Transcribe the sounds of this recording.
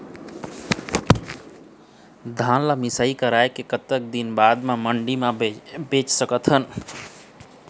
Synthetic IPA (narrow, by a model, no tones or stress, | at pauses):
d̪ʱanlamisaikəɾaekekət̪ːək̚d̪inbad̪maməɳɖimabet͡ʃsəkət̪ɦən